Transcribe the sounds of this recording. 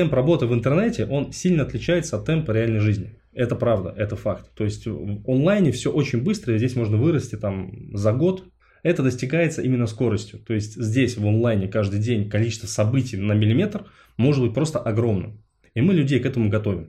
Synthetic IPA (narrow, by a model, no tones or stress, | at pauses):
t̪ɛmprɐbo̞t̪ɨvɨnt̪ɨrnɛtʲɪʔo̞nsʲilʲnəɐt̪lʲɪt͡ɕæjɪt̪səɐt̪ːɛmpəɾʲɪalʲnəjʐɨzʲnʲɪ | ɛt̪əpɾavd̪ə̰ʔɛt̪əfakt̪ːo̞ɪsʲtʲvonlˠajnʲɪfsʲo̞ʔo̞t͡ɕɪnʲbɨst̪ɾəjəzʲdʲesʲmo̞ʐnəvɨɾəsʲtʲɪt̪amzɐɡo̞t̪ | ɛt̪əd̪əsʲtʲɪɡajɪt̪səʔimʲɪnːəsko̞ɾəsʲtʲjʊt̪o̞ɪsʲtʲzʲdʲesʲvonlˠajnʲɪkaʐd̪ɨjdʲenʲkɐlʲit͡ɕɪ̥st̪vəsɐbɨtʲɪjnəmʲɪlʲɪmʲe̞t̪r | mo̞ʐɨd̪̚bɨt̚ʲpɾo̞st̪əʔɐɡɾo̞mnɨ̰m | imɨlʲʉdʲejkɛt̪əmʊɡɐt̪o̞vʲɪm